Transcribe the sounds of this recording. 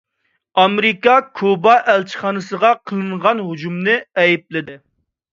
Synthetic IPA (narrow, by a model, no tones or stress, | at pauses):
ɑmɾɪkɑkʰubɑʔɛlt͡ʃʰi̥χɑːnɨsəʁɑqʰəlˠɨɴʁɑnɦud͡ʒumnɨɛjip̚lɪd̪ɪ